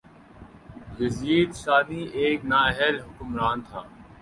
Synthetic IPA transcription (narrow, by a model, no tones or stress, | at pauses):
jɐziːd̪ʃaːd̪iːʔeːknaːɛɦɛlɦʊkʊmɾaːnt̪ʰa̰ː